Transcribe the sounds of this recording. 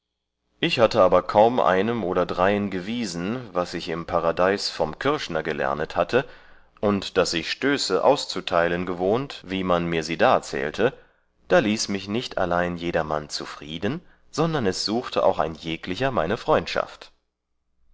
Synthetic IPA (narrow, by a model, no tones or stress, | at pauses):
ʔɪçhatəaːbɐkʰaʊmʔa̰ɪnəmʔoːɾɐdʁaɪənɡəviːzn̩vasɪçɪmpʰaʁadaɪsfɔmkʰɪɐçnɐɡəlɛ̰ɐnəthatʰə | ʔʊntd̥asɪçʃtøːsəʔa̰ʊst͡sutʰaɪlənɡəvoːntviːmanmiːɐziːdaːt͡sɛ̰ːltʰə | d̥aːliːsmɪçnɪçtʰa̰laɪnjeːdɐma̰nt͡sufʁ̥iːdn | z̥ɔndɐnɛsz̥uːxtʰəʔa̰ʊxa̰ɪnjeːklɪçɐmaɪnəfʁ̥ɔʏ̃ntʃa̰ft